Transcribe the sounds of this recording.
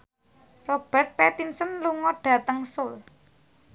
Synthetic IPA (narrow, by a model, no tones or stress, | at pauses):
rob̥ɛ̤rt̪̚pɛt̪insənluŋɔɖ̥ä̤t̪əŋsʊl